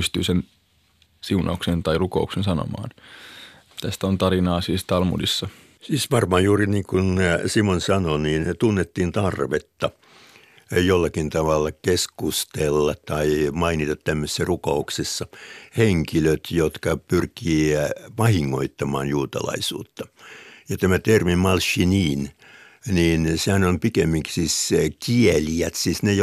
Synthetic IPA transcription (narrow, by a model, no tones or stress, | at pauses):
yst̪y̰ːsen | siunɑ̰uksent̪ɑiruko̰uksensɑno̰mɑ̰ːn | t̪æst̪æont̪ɑɾinɑːsiːst̪ɑlmṵdisːɑ | siːsʋɑrmɑːjjuːriniːŋkunsimonsɑnoniːnt̪unːet̪ːiːnt̪ɑrʋet̪ːɑ | jolːɑkint̪ɑʋɑlːɑkeskust̪elːɑtt̪ɑimɑinit̪ɑt̪t̪æmːøse̥sːæruko̰uksesːɑheŋkiløt̪jot̪kɑpyrkiːʋɑhiŋːo̰it̪ːɑmɑ̰ːnjuːt̪ɑ̰lɑ̰isṵːt̪ːɑ̥jɑt̪æmæt̪ermimmɑlʃiniːn | niːnsehænompikemːiŋksiːskieliæt̪siːsnej